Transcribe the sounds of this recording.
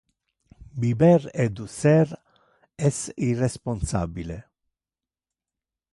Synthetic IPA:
bibɛɾɛd̪usɛɾ | ɛsiresponsa̰bile

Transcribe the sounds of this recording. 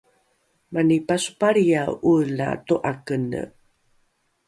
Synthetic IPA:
manipasu̥paɾijaula̰toʔakənə̰

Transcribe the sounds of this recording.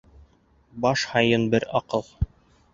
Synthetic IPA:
bɑʃhɑjɤnbɘɾɑqɤlˠ

